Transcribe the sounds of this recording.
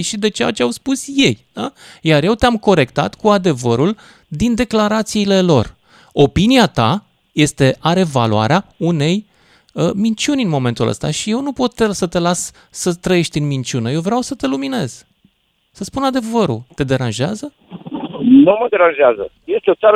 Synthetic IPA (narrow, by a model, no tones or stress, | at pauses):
ʃid̪e̞t͡ʃeja̰t͡ʃeawspusje̞jd̪̥ajarje̞wt̪eamko̞ɾe̞kt̪a̰t̪kuad̪e̞vəɾul | d̪ind̪e̞klaɾat̪siːle̞lo̞̰r | o̞piniat̪a̰ | je̞st̪e̞ʔaɾe̞va̰lua̰ɾeaune̞j | əmint͡ʃunʲɨnmo̞me̞nt̪ulə̰st̪a̰ʃije̞wnupo̞t̪ːesət̪e̞las | sət̪ɾəje̞ʃt̪ʲɨnmint͡ʃʲunəje̞wvɾeawsət̪e̞lumine̞̰z̥ | səspunad̪e̞vəɾṵt̪e̞d̪e̞ɾanʒeazə | numəd̪eɾanʒeazə | je̞st̪eot̪saɾ